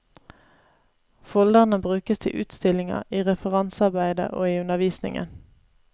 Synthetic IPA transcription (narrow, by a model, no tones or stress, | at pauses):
fɔld̪əʁnəbʁʉːkəst̪ʰɪʔʉ̰ːt̪st̪ɪlɪŋɑ̰iːʁɛfəʁɑnsɑʁbæɪd̪ə̰ʔo̰ːiːʉnəʋiːsnɪ̰ŋə̰n